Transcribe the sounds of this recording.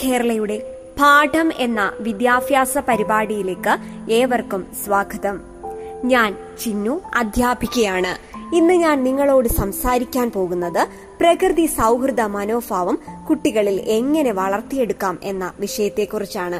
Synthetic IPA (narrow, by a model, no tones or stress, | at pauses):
ke̞ːɾɐɭɐjuɽe̞ | pʰaːʈʰɐmenːɐ̰ʋid̪jaːfjaːsɐpɐɾibaːɽijile̞ːkːɨe̞ːʋɐrkumsʋaːɡʱɐðɐm | ɲaːn | t͡ɕinːuɐd̪ʱjaːbʱikʲːɐjaːɳɨinːɨɲaːnniŋːɐɭo̞ːɽɨsɐmsaːɾikʲːaːnpo̞ːɣunːɐðɨ | prɐkrɨðisɐwkrɨd̪ɐmɐno̞ːfaːʋɐmkuʈːiɣɐɭile̞ŋːɐne̞ʋɐɭɐrt̪ːije̞ɽukːaːme̞nːɐʋiʂɐjɐt̪ːe̞kːurit͡ɕːaːɳɨ